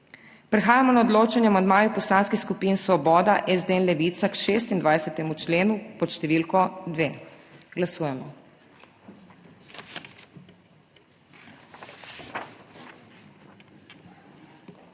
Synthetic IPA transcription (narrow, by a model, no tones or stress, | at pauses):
pɾɛxaːjamɔnaɔd̪loːt͡ʃanjɛamand̪maːjupɔslaːnskixskupiːnsʋɔbɔːd̪aʔɛzd̪eɛnlɛʋit̪sakʃeːst̪ind̪ʋajsɛt̪ɛmut͡ʃleːnupɔt̪ʃt̪ɛʋiːlkɔd̪ʋeːɡlasuːjɛmɔ